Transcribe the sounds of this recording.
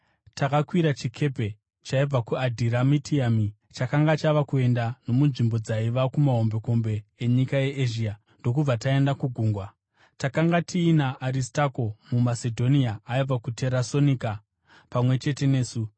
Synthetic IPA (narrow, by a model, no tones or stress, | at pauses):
takakwiɾat͡ʃikʰe̞pe̞ | t͡ʃaib͡vakuadʱiɾamitʰiami | t͡ʃakaŋɡat͡ʃaʋakue̞ndano̞munʐimbo̞d͡zaiʋakumaɦo̞mbe̞ko̞mbe̞ːɲikaje̞ʔːʒiːa | ndo̞kub͡vatae̞ndakuɡʱuːŋɡwa | takaŋɡatʰiːnaʔːɾistako̞mumase̞dʱo̞niaaib͡vakutʰe̞ɾaso̞nika | pamwe̞t͡ʃe̞te̞ne̞ːsu